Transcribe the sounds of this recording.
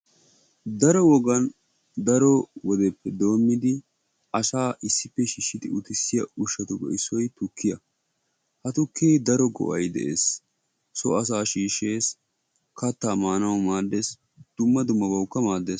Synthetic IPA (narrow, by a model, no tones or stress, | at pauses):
d̪ɐɾɔwɔɡɐn | d̪ɐɾɔwɔd̪ɛpːɛd̪o̞ːmːɪd̪ɪ | ɐsaːʔɪsːɪpːɛʃiːʃːɪt̪ɪʊt̪ɪsːɪjɐʊʃːɐt̪ʊbɔ̰ɪsːɔjt̪ʊkʰːɪjɐ | hɐt̪ʊkʰːeːd̪ɐɾɔɡɔ̰ʔɐjd̪ɛ̰ʔeːsː | ɔɐs̬aːʃiːʃːe̞ːs | kɐt̪ːaːmaːnɐwmaːd̪ːes | d̪̥ʊmːɐd̪ʊmːɐbɐwkːɐmaːd̪ːeːs